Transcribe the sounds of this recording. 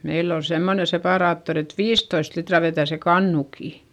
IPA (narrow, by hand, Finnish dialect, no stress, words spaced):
meilː ol semːone sepɑˑrɑːtːori et ʋiːstoist litrɑ ʋetæˑ se kɑnːukiˑ